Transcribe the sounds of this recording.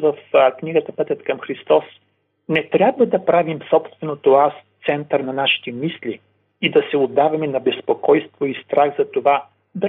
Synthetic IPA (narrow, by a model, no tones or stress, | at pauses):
vəfkniɡət̪əpɛt̪ət̪kəmxɾist̪ɔs | nɛt̪ɾʲabvəd̪ɐpɾavimsɔpst̪vɛnot̪oast̪sɛnt̪əɾnɐnaʃi̥t̪ɛmisli | id̪ɐsɛod̪ːavɐmɛnɐbɛspokɔjst̪voist̪ɾaɣzɐt̪ova | d̪